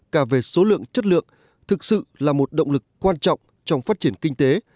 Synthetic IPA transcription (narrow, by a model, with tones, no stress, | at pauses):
kaː˧˩ve˨˩so˨˦lɨ̰˧˨əŋt͡ɕə˦˥t̚lɨ̰˧˨əŋ | t̪ʰɨ˨˩k̚sɨ̰˧˨laː˨˩mo˨˩t̚ɗo̰˧˨wŋ͡mlɨ˨˩kːwaː˧nt͡ɕɔ̰˧˨wŋ͡m | t͡ɕɔ˧wŋ͡mfaː˦˥t̚t͡ɕi˧˩ənkï˧ŋ̟t̪e˨˦